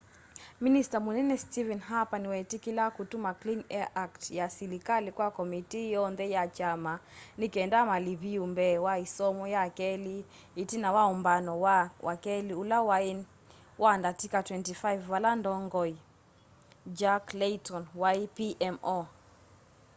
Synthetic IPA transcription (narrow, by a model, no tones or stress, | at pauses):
ministamunɛnɛstivɛnɦapaniwɛtikilakutumaklinɛaʔaktjasilikalikwakɔmitijɔnðɛjat͡ʃamanikɛndamaliβiumbɛwaisɔmɔjakɛli | itinawaɔmbanɔwawʔakɛliulawa | wandatikatwɛntifaivːalandɔŋɡɔi | d͡ʒaklɛtɔnwajpiʔɛmɔ